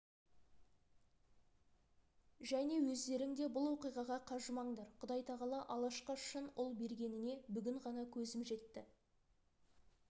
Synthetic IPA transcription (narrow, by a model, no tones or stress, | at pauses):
ʒæne̞wɵzd̪e̞ɾɪŋd̪e̞bʊlˠwo̞qijʁɑʁɑqʰɑʒəmɑɴd̪ɑɾqʰʊd̪ɑjt̪ʰɑʁɑlˠɑʔɑlˠɑʃqɑʃənʊlˠbe̞ɾɡʲe̞nɪne̞bʏɡʲɪɴʁɑnɑkʲʰɵzɪmʒe̞t̪ːɪ